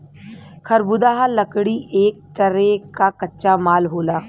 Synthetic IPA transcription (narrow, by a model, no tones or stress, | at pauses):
kʰɐɾbʊd̪aːɦalɐkɽiʔeːk̚t̪əɾekakɐtːʃamaːlɦoːlaː